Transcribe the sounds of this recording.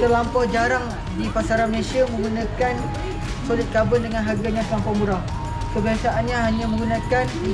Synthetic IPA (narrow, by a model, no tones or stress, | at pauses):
t̪əlampahd͡ʒaɾaŋ | dipasaɾanməlesiamə̃ŋɡunãkan | polʊt̪̚kabʊndəŋanɦarɡaɲãt̪lampamuɾah | kəbiɦasaʔanɲãɦaɲãmə̃ŋɡunãkan